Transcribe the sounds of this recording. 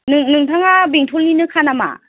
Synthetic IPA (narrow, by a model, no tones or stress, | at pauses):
nɯŋnɯŋtʰaŋabiŋtʰɔlːinɯkʰanama̰